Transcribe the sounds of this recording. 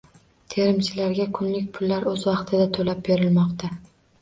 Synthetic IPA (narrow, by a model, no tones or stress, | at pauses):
t̪ʰe̞ɾɪmt͡ʃʰɪlaɾɡʲakʰʊnlɪkʲpʰʊlːaɾɵzvɑqt̪ʰɪd̪at̪ʰolap̚be̞ɾɪlmɒqt̪ʰa